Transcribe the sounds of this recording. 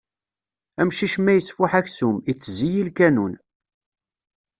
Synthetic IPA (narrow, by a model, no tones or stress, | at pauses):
æmʃiʃmæjəsfʊħæçsumit͡sːzijilkænun